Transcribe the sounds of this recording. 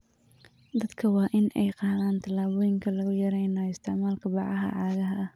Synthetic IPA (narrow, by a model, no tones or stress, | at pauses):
d̪ɐd̪kʰɐwɑːʔɪnɛjqɑːðaːnt̪ʰɐlaːβɔːjɪŋkʰɐlɐɣʊjɐɾɛjnɐɪst̪ʰɪʕmaːlkʰɐbɑʕɑɦɐ̰ʕɑːɣɐɦɐ